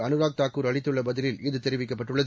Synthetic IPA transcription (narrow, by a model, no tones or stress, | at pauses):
ɐnɯɣaːk̚t̪aːkkːuːɾɐɭɪt̪ːɯɭːɐbɐðɪlɪlɪðɯt̪ːɛɾɪʋɪkːɐpːɐʈːɯɭːɐð